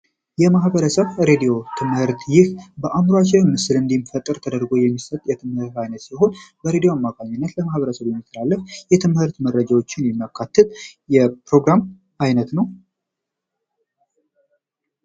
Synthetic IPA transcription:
jɛmahbəɾəsəβɾed̪ijo̞t̪ʰɨmhɨɾt̪jɪhbəʔamɾoat͡ʃːɛnmɨsɨlɨnd̪imfət̪ʼːɨɾt̪ʰəd̪əɾɡo̞jɛmːisət̪ʼjɛt̪ʰɨmhɨɾt̪ajnət̪siɦo̞nbəɾed̪ijo̞amːakʰʼaɲːɪnːət̪ləmahβəɾəsəβjɛmːit̪ʰːəlalːəfjɛt̪ʰɨmhɨɾt̪məɾːəd͡ʒawo̞t͡ʃːɪnjɛmːakʰːat̪ʰːɨt̪ʼjɛpɾo̞ɡɾam | ajnət̪nəw

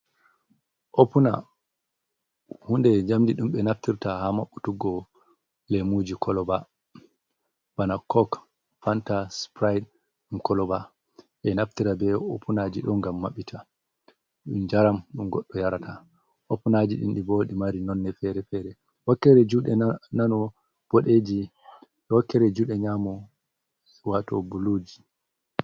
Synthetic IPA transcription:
ʔopuna̰ | hundɛd͡ʒamdiɗumɓɛnaftiɾtahamaɓːutuɡɔ | lemud͡ʒikʰɔlɔba | b̥anakʰɔk | fantaspɾajd | ɗumkɔlɔba | ʔɛnaftiɾabɛopʰunad͡ʒiɗɔnɡamːaɓitʰa | ɗund͡ʒaɾamɗunɡɔɗːɔjaɾatʰa | ʔopːunad͡ʒiɗḭnɗiboːɗimaɾinɔnːɛfɛɾɛfɛɾɛ | wakːɛɾɛd͡ʒuɗɛnanɔ | b̥oɗed͡ʒi | ɛwakːɛɾɛd͡ʒuɗɛɲamɔ | watɔ̰bulud͡ʒi

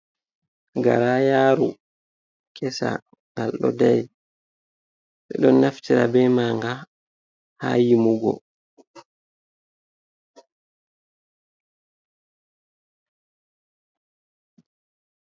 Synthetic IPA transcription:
ɡaɾajaːɾu | kʰɛsa̰ | ŋalɗɔ̰daj | sɛɗɔnːaftiɾa̰bɛːmaŋɡa | ha̰jimuɡɔ̰

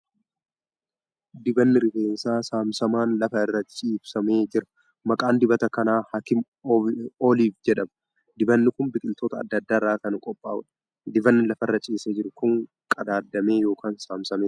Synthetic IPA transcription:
d̪ɪbɐnːɪɾɪfe̞ːnsaːsaːmsɐmaːnlɐfɐɪrːɐt͡ʃʼiːbsɐme̞ːd͡ʒɪɾɐ̥ | mɐkʼaːnd̪ɪbɐt̪ɐkɐnaːhaːkɪm | oːliːfd͡ʒɛᶑɐmɐ | d̪ɪbɐnːɪkʊmbɪkʼɪnt̪oːt̪ɐ̰ːd̪ːɐd̪ːaːɪrːaːkɐnɐkʼɔpʼːaːʔʊ̰ᶑɐ̥ | d̪ɪbɐnːɪlɐfɐɪrːɐt͡ʃʼiːsɛd͡ʒɪɾʊkʊŋ | kʼɐd̪aːd̪ːɐme̞ːjo̞ːkaːnsaːmsɐmeː

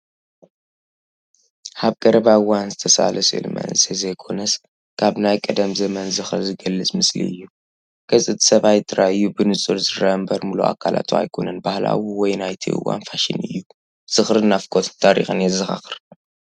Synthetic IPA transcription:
haβɡɐɾɐβaɨwːanzɨt̪ʰɐsa̰lɐsɨlmɐ̰nsʼizɐjkʰo̞nɐs | kʰaβnajkʼɐd̪ɐmzɐmɐnzɨxɨɾzɨɡɐlːɨt͡sʼmɨslḭɨ̰jːu | ɡ̥ʰɐsʼɨt̪ʰi̥sɐβajt̪ʼɨɾʔaɨjːubɨnɨt͡sʼulzɨɾɐmbɐɾmulṵa̰kʰala̰t̪ʰua̰jkʰo̞nɐnbahla̰wuwɔjnajt̪ʰḭʔɨ̰wːa̰nfaʃḭnɨ̰jːu | z̥ɨxɾɨnafkʰʼot̪ʰɨ̥nt̪ʰaɾḭxɨnjɛzɨxa̰xɨɾ

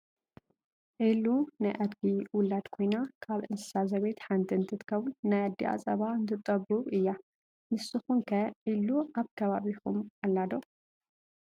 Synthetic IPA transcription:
ʕilunajʔad̪ɡiwʊlad̪kʰo̞jnakʰaβʔɨnsɨ̥sazɐβejt̪ħant̪ʰɨnt̪ʰɨt̪ʰɨ̥kʰɐβulnajad̪ːiʔa̰t͡sʼɐβaɨnt̪ʰɨt̪ʼɐbuβɨjːa | mɨsːɨxunkʰɐʕiluʔaβkʰɐβaβixumalːad̪o

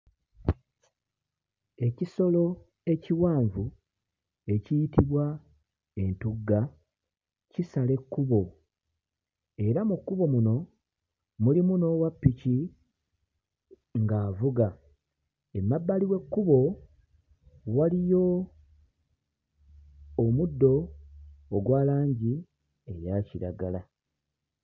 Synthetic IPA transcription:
e̞ciso̞lo̞ | e̞ciwaːɱvu | e̞cijitiβwa | e̞ntuɡːa | cisale̞kːuβo̞ | e̞ɾamukːuβo̞muno̞ | mulimuno̞ːwapːici | ŋɡaːvuɡa | e̞mːabːaliwe̞kːuβo̞ | walijo̞ | mudːo̞ː | ɡwaːlaːɲɟi | e̞̰jaːciɾa̰ɡala

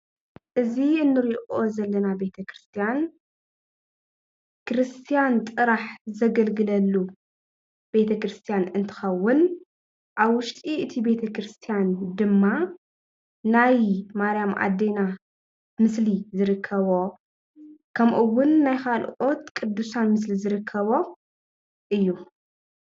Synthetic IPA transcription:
ʔɨziɨnːɨɾiʔo̞zɐlːɐnabe̞t̪ʰɐkɾɨst̪ʰijan | kɾɨst̪ʰijant̪ʼɨɾaħzɐɡɐlɡɨlɐlːu | b̥e̞t̪ʰɐkɾɨst̪ʰijanɨnt̪ʰɨ̥xɐwːʊn | ʔaβwʊʃt̪ʼiʔɨt̪ʰibe̞t̪ʰɐkɾɨst̪ʰijand̪ɨmːa | najmaɾijamʔa̰d̪e̞na | mɨslizɨɾɨkʰːɐβo̞ | kʰɐmʔɨwːʊnːajkalʔo̞t̪kʼɨd̪ːusanmɨs̬lizɨɾɨkʰːɐβo̞ | ʔɨjːu

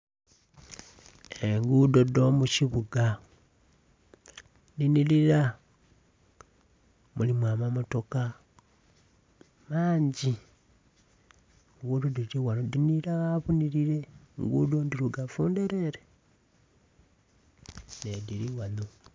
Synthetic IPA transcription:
eŋɡuːdo̞domuciβuɡa | ndiniliɾa | mulimwaːmamoto̞ka | maːɲɟi | ŋɡuːdodiɾiwanodiniɾaɣaβuniɾiɾeŋɡudondiɾuɡafuːndeɾeɾe | nediɾiwano

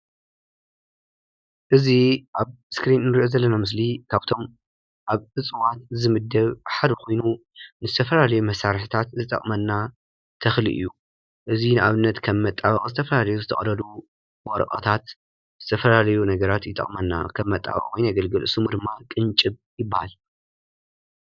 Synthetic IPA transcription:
ʔɨziʔaβ | skɾinnɨɾiʔozɐlːɐnamɨs̬likʰaβt̪ʰo̞m | ʔaβɨt͡sʼɨwat̪zɨmɨd̪ːɐβħad̪ɨkʰo̞jnunɨzɨt̪ʰɐfɐlalɐjumɐsaɾħɨt̪ʰat̪zɨt̪ʼɐ̰χʼmɐnːa | t̪ʰɐxlḭʔɨ̰jːu | ʔɨzinɨʔaβɨnːɐt̪kʰɐmːɐt̪ʼːaβɐχʼzɨt̪ʰɐfɐlalɐjuzɨt̪ʰɐχʼɾɐlu | wʷʼɔɾkʼɐ̰t̪ʰat̪ | zɨt̪ʰɐfɐlalɐjunɐɡɐɾat̪jɪt̪ʼɐ̰χʼmɐnːa̰kʰɐmːɐt̪ʼːa̰βɐ̰χʼwɔjnaɡɐlɡɨlʔɨ̰sɨmud̪ɨmːakʼɨnt͡ʃʼɨβjɪbːaha̰l

